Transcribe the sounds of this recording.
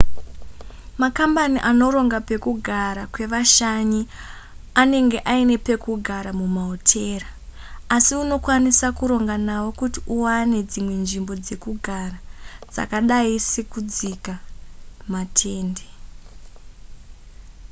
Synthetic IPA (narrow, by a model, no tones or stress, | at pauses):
makambaniʔano̞ɾo̞ŋɡape̞kuɡʱaɾakwe̞ʋaʃaɲi | ane̞ŋɡe̞ʔaine̞pe̞kuɡʱaɾamumaotʰe̞ːraː | siuno̞kwanisakuɾo̞ŋɡanawo̞kutiʔuwane̞d͡zimwe̞nʐimbo̞d͡ze̞kuɡʱarad͡za̰kaɗaisekud͡zika | matʰe̞ːnde